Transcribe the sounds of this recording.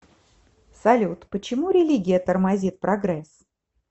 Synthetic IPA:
sɐlʲut̪pət͡ɕɪmuɾʲɪlʲiɡʲɪjət̪ərmɐzʲit̪̚pɾɐɡɾɛs

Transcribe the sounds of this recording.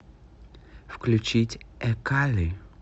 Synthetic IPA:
fklʲʉt͡ɕitʲɛkalʲɪ

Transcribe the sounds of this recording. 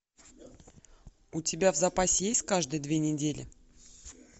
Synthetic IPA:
ʊtʲɪbʲavzɐpasʲɪjesʲtʲkaʐd̪ɨjəd̪vʲenʲɪdʲelʲʔɪ̰

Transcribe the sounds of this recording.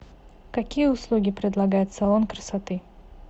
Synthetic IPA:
kɐkʲijəʊslˠuɡʲɪpɾʲɪd̪lˠɐɡajɪt̪salˠonkɾəsat̪ɨ

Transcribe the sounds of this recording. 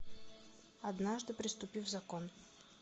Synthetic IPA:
ɐd̪naʐd̪ɨpɾʲɪst̪ʊpʲivvzɐkon

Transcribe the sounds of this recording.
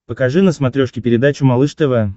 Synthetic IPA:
pəkɐʐɨnəsmɐt̪ɾʲoʂkʲɪpʲɪɾʲɪd̪at͡ɕʊmɐlˠɨʂt̪əvə

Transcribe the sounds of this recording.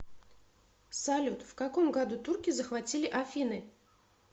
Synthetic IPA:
salʲut̪fkakomɡad̪ut̪urkʲɪzəxvatʲilʲɪʔafʲinɨ

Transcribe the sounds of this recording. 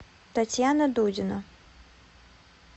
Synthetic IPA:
t̪ɐtʲjanɐd̪udʲɪnɐ

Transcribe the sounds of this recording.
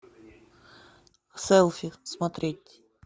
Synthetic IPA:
sɛlˠfʲismɐt̪ɾʲetʲ

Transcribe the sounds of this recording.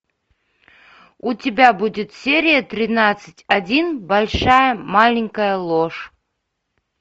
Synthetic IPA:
utʲɪbʲabudʲɪt̪sʲeɾʲɪjət̪ɾʲɪnat̪sɨ̥tʲadʲinbɐlʲʂajəmalʲɪŋʲkəjəlˠoʂ

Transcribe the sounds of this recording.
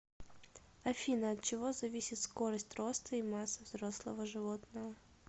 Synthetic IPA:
ɐfʲinəɐt̪̚t͡ɕɪvo̞zɐvʲisʲɪt̪sko̞ɾəsʲtʲro̞st̪ʰəimasːəvzɾo̞slˠə̰vəʐɨvot̪nəvə

